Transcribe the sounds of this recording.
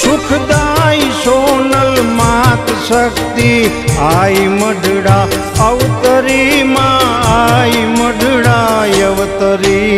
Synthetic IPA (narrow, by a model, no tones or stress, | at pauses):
sukʰd̪aːiʃoːnɐlmat̪ʃɐkt̪iaːimɐɖʱɽaː | ɐʋt̪ɐɾimaaːimɐɖʱɽajɐʋt̪ɐɾi